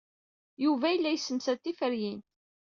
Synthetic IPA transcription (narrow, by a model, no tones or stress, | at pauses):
juvæjəlːæjəsːənsæt̪ːifəɾjin